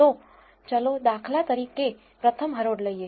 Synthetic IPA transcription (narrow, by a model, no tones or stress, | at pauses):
o | t͡ʃəlod̪akʰlat̪əɾike | pɾət̪ʰəmɦəɾoɽləie